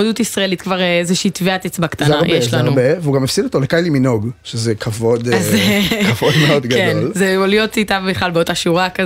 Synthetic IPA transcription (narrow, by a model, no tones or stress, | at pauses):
odutisʁaelitkvaʁeezeʃiːtveat̪et͡sbakt̪aznaʁjʔeʃlaaʁbeveuɡamefsidot̪olekajliminoɡʃezekʰavod̪azekavod̪meod̪ɡkedonlzeolio̞titambeχlalbeotaʃuʁakaz